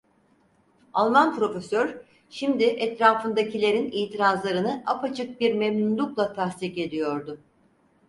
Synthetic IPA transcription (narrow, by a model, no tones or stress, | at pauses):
alˠmanpʰɾo̞fesøɾ̥ | ʃimd̪iʔɛt̪ɾaːfɯnd̪acilʲe̞ɾiniːt̪ʰiɾazlˠaɾɯnɯʔapat͡ʃʰɯk̚biɾmemnunlʲuklˠat̪ʰasst̪ike̞d̪ijo̞ɾd̪ʊ